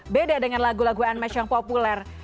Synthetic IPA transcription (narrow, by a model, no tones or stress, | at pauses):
bedadəŋanlaɡulaɡuanmat͡ʃaŋpopulɛr